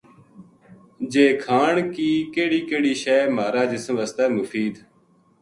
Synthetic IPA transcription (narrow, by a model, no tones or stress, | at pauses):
d͡ʒeːkʰaːɳkiːkeːɽiːkeːɽiːʃɛːmaːɾaːd͡ʒɪsmʋəst̪aːmʊfiːd̪